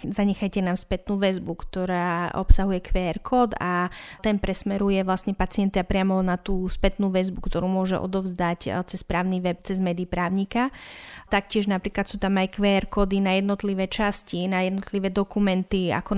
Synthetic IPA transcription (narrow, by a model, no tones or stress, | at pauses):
zaɲɛxajcɛnaːmspɛt̪nuːʋɛzbukt̪ɔɾaːʔɔ̰psaɦujɛkʋɛːɾkʰɔːd̪at̪ɛnpɾɛsmɛɾujɛʋlasɲɛpat͡sɪɛnt̪iapɾɪamɔnat̪uːspɛt̪nuːʋɛzbukt̪ɔɾuːmʊɔʒɛ̰ʔɔ̰d̪ɔvzd̪act͡sɛspɾaːʊniʋɛp̚t͡sɛzmɛːd̪iːpɾaːʊɲikat̪akcɪɛʒnapɾiːklat̪suːt̪amajkʋɛːɾkɔːd̪inajɛd̪nɔt̪liʋɛːt͡ʃascinajɛd̪nɔt̪liʋɛːd̪ɔkumɛnt̪ia̰kɔ